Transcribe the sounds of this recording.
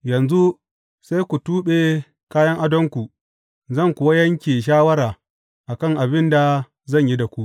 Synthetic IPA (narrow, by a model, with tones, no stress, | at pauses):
jɐ˨nzu˦ | se˦jkʷu˨tuː˦ɓe˨ | kaː˦jɐ˦ŋʔa˦dɔ˦ŋkʷu˨ | zɐ˦˨ŋkʷʊ˨wɐ˦jɐ˦ŋkʲeː˨ʃ̬aː˦wɐ˦ɾaː˨ | ʔa˨kɐ˦˨ŋʔa˨bɪ˦nda˨ | zɐ˦˨ɲji˦da˨kʷu˦ʔ